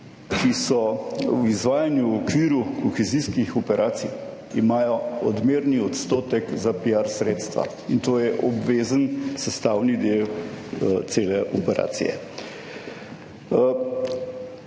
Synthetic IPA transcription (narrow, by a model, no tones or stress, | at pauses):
kisɔwizʋaːjanjuɔkʋiːɾukɔxɛziskixɔpɛɾʔaːsij | imaːjɔɔd̪meːɾniɔt̪st̪oːt̪ɛkzapijaɾsɾeːt̪st̪ʋa̰ | int̪oːjɛʔɔbʋezənsɛst̪aːwnid̪ew | t̪seːlɛʔɔpɛɾʔa̰ːt̪sḭjɛ̰